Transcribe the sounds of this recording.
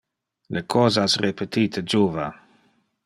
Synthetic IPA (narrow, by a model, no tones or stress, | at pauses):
lekʰɔːzasrepet̪iːt̪ʰəd͡ʒuːva̰